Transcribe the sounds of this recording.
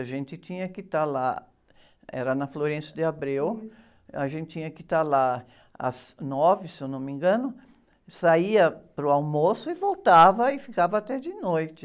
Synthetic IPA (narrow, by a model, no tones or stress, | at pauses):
aʒẽnt̪ɪt͡ʃ̪ĩɲɐkɪt̪ala̰ | ɛ̰ɾɐnɐfloɾẽsʊd̪ɪabɾew | ɐʒẽnt̪ɪt͡ʃĩɲɐkɪt̪ala | ɐ̰z̥nɔvɪsewnõmĩŋɡɐ̃nʊ | saiɐpɾʊawmosʊɪvowt̪avɐɪfikavɐat̪ɛd͡ʒɪnojt͡ʃ̪ɪ